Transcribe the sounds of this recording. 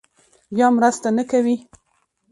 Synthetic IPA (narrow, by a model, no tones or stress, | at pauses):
jɑmɾast̪anakawi